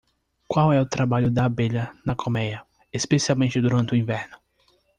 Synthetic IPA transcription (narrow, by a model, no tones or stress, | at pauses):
kwawɛʊt̪ɾabaʎʊd̪ɐbeʎɐnɐkʰomɛjɐ | espesiawmẽnt͡ʃɪd̪uɾɐ̃nt̪ɪʊĩvɛɾnʊ